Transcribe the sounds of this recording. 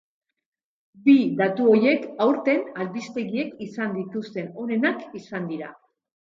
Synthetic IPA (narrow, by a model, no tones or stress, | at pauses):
bidat̪uo̞je̞kawɾt̪e̞nald̪ist̪e̞ɣie̞kisand̪it̪ust̪e̞no̞ɾe̞nakisand̪iɾa̰